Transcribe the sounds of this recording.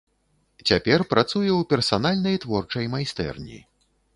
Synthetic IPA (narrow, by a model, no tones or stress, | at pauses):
t͡sʲapʲɛrpɾat̪sujɛwpʲɛrsanalʲnɐjt̪vɔrt͡ʂɐjmajst̪ɛ̰rnʲḭ